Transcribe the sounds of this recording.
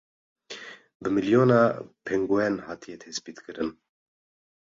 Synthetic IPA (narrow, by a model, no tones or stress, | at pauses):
bɨmiljoːnɑːpʰeŋɡuɛnhɑːt̪ʰijɛt̪ʰɛspiːt̪kɨɾɨn